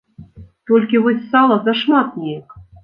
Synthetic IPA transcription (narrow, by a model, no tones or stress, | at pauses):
t̪ɔlʲkʲivɔsʲsalˠɐzɐʂmat̪̚nʲejɛk